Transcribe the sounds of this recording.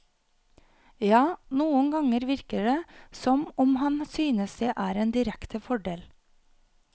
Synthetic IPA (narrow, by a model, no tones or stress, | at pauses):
jɑːnuːənɡɑŋəɾʋɪɾkəɖeːsɔmɔmhɑnsyːnəsd̪eːʔæːɾeːnd̪ɪɾɛkt̪əfɔɖeːl